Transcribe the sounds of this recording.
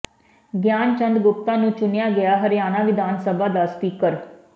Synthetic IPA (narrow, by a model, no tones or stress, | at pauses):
ɡjaːnt͡ʃə̃nd̪ɡʊp̚t̪ãːnũːt͡ʃʊnɪjaːɡɪaːɦəɾjaːnãːʋɪd̪ʱaːnsəbaːd̪aːspiːkəɾ